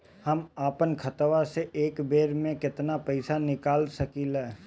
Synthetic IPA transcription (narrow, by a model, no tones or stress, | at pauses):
hɐmaːpənkʰɐt̪ʋaseʔeːkbeːɾmẽkɪt̪napɛɪsanɪkaːlsɐkiːlɛː